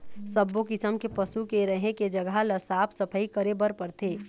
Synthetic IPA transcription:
səbːokɪsəmkepəsukeɾəɦẽked͡ʒɐɡʱalɐsaːpʰsɐpʰəikəɾebəɾpəɾt̪ʰeː

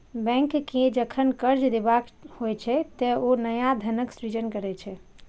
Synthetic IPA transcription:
bɛ̃ŋkːed͡ʒəkʰənkəɾd͡ʒd̪ebakhojt͡ʃʰɛt̪ɛonəjad̪ʱənəksɾid͡ʒənkəɾɛt͡ʃʰɛ

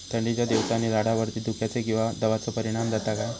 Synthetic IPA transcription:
t̪ʰəɳɖid͡ʑjad̪eʋsaniɾaɽaʋəɾt̪iːd̪ukʰjat͡sekĩw̃ʋad̪əʋat͡səpəɾiɽ̃amd̪ʱat̪akaj

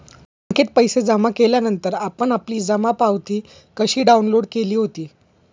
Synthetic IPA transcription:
əŋkʰet̪̚pəjsed͡zəmakeljanənt̪əɾapəɳapliːd͡zamapawt̪iː | kəɕiːɖaunloɽkeliːɦot̪iː

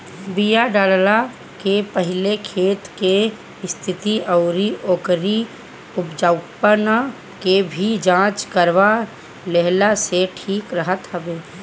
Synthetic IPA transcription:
bijaɖaːlla | kepəɦɪlekʰeːt̪ke | ɪst̪ʰɪt̪iəʊɾioːkɾi | ʊpd͡ʒəʊpən | kebʱid͡ʒãːt͡ʃkəɾʋa | leɦlaseʈʰiːkɾəɦət̪ɦəbeː

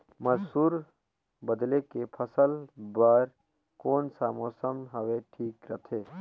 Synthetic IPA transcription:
məsuːɾ | bəd̪lekepʰəsəlbaːɾ | koːnsaːmoːsəmɦəweʈʰiːkɾət̪ʰe

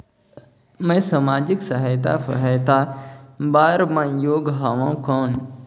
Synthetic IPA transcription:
mɛ̃sɐmaːd͡ʑɪksɐɦaːjt̪a̰fɐ̰ɦajt̪abaːɾmãːjoːɡɦaːʋãkõːn

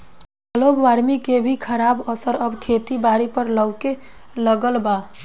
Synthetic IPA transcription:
əlobʋaɾmikebʱikʰəɾabəsəɾəbkʰet̪ibaɾipəɾləɡkeləɡəlba

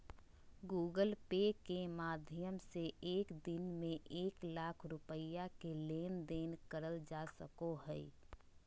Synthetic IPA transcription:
ɡuːɡəlpekemaːd̪ʱjəmseeːkd̪ɪnmẽʔeːklaːkʰɾʊpəjakeleːnd̪eːnkəɾəld͡ʒaːsəkoɦɛ

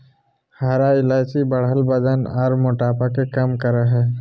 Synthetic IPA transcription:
haːɾaɪlaːsibɐɽɦəlbɐd̪ənaːɾmʊʈaːpakekɐmkəɾaɦɛː

